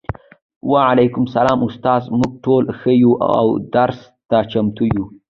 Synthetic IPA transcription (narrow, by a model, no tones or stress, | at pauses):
waʕalajkʊmsalɑːmʊst̪ɑːzmʊɡ̚ʈolxəjuʔa̰wd̪aɾs | t̪at͡ʃamt̪uju